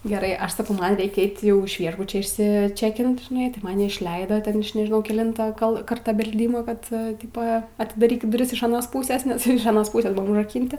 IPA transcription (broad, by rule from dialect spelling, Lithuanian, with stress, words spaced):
ɡʲɛˈrɐɪ ˈɐʃ sɐˈkɐʊ ˈmɐn ˈrʲɛɪkʲɛ ˈɛɪtʲ ˈjɛʊ ɪʃ ˈʋʲiɛʒbʊt͡ʃʲɛ ɪʃʲsʲɪˈt͡ʃʲæːkʲɪnt ʒʲɪˈnɐɪ tɐɪ mɐˈnʲɪ ɪʃʲˈlʲɛɪdoːˈtʲɛn ˈɐʃ nʲɛʒʲɪˈnɐʊ kʲɛˈlʲɪntoː kɐlˠ ˈkɐrtɐ bʲɛlʲˈdʲiːmoː ˈkɐt ˈtʲɪpoː ɐtʲɪdɐˈrʲiːkʲɪt dʊˈrʲɪs ɪʃ ɐˈnoːs ˈpuːsʲeːs nʲɛs jɛʊ ɪʃ ɐˈnoːs ˈpuːsʲeːs ˈbʊʋoːm ʊʒrɐˈkʲiːnʲtʲɪ